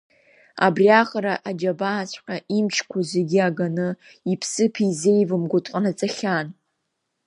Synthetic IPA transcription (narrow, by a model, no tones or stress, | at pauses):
a̰briaχaɾaʔad͡ʒabaːt͡ɕʷʰʼqʲʼaimt͡ʃʰkʷʰazeɡʲiaɡanɨ | ipʰsɨpʰizejvɨmɡʷʊtʼqʼanat͡sʼaχʲan